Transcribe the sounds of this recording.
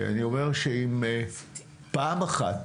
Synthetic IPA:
a̰nio̞me̞ʁʃeime | paːmaχat

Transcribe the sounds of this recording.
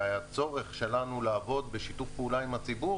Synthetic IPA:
ajat͡so̞ʁeχʃe̞lanulaːvo̞d̪beʃitufpeuːlaimat͡sibu

